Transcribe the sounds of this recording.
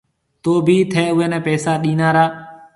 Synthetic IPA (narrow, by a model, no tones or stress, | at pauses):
t̪oːbʱiːt̪ʰɛːʊɦeːnɛ̃ːpɛːsaːɗĩːnaːɾaː